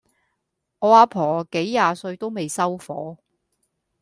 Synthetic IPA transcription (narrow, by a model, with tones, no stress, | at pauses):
ŋɔː˨˧aː˧pʰɔː˨˩ke˨˥jːaː˨˧sɵ˧ɥt̪o˥wme˨jsɐ˥wfɔː˨˥